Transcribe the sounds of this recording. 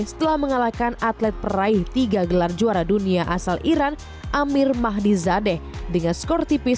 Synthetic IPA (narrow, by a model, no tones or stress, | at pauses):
sə̥t̪əlahməŋalakanat̪lɛt̪̚pəɾaɪht̪iɡaɡəlard͡ʒuaɾaduniaʔasalʔiɾan | ʔamɪrmaɦdizadɛhdəŋanskɔrt̪ipɪ